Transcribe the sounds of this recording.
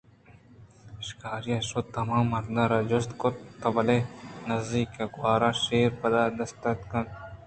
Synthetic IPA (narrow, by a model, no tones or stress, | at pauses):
ʃkaːɾiɐsot̪ɐmaːmɐld̪ɐɾɐd͡ʒʊst̪kott̪ːɐbɐlenɐzd̪iːkːaɡwaːɾãːʃeːɾpɐd̪aːd̪ɐst̪ɐt̪kɐn